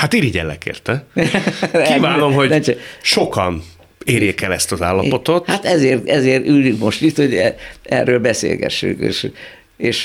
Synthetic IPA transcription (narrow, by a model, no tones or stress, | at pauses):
hat̪iːɾiɟɛ̰lːɛ̰kḛːrt̪ɛ | kivaːno̞mho̞ɟ̪ɛt͡ʃɛʃo̞kɒn | eːrjeːkɛlɛst̪ɒzaːlːɒpo̞t̪o̞t̪hat̪ɛzeːrt̪ɛzeːrt̪ylːyŋkmo̞ʃt̪it̪ho̞ɟɛɛ̰rːøːlbɛsḛːlɡɛ̰ʃːy̰ŋkḛːʃ | eːʃ